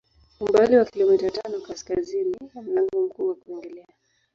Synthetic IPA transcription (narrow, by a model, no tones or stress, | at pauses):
umbaliwakilɔmitatanɔkaskazinianaŋɔm̩kuwakuɛŋɡɛlɛa